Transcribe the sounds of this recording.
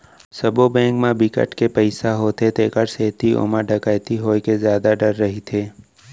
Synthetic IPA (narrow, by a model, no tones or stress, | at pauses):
sɐbobɛ̃ːŋkmãbɪkə̰ʈkepəɪsaɦot̪ʰet̪eːkəɾseːt̪io̰ːmaɖʱəkaːjt̪iɦoːkezjaːd̪aɖɐɾːɐɦit̪ʰeː